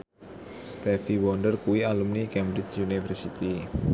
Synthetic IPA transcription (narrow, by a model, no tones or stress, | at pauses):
st̪ɛfiwɔnɖərkuwialumnikɛmbɾɪt͡ʃunifərsit̪i